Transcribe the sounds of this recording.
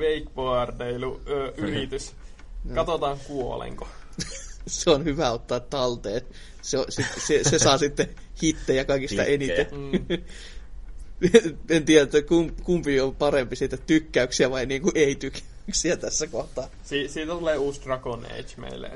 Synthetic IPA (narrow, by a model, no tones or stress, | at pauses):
ʋeikpoɑrt̪eiluːʔyrit̪ys | kɑt̪ot̪ɑːŋkuo̰lḛŋko | seonhyʋæot̪ːɑːt̪tːɑlt̪eː | seosit̪sesesɑːsit̪ːe | hit̪ːeːjjɑkɑikist̪ɑ̰ʔenit̪e | ent̪iːræt̪ːækumkumpiompɑrempisiːt̪æt̪ykːæyksiæʋɑiniːŋkuʔʔeit̪ykʰæ̥yksiæt̪æsːækoht̪ɑː | siːsiːt̪æt̪uleːuːst̪rɑkonḛit͡ʃmḛilːæ̰